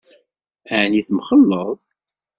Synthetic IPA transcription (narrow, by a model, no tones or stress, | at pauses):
æʕniθəmχəlːəðˤ